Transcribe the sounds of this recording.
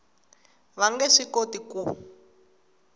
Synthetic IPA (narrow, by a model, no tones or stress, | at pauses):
βaŋɡɛʂikotiku